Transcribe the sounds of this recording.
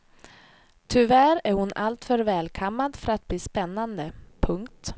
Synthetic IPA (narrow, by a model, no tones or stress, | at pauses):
t̪ʰʏvæɾæɾhʊnalt̪fœɾvɛːlkʰɔmːad̪fœɾat̪̚bliːspɛnːand̪əpʰɵŋkt̪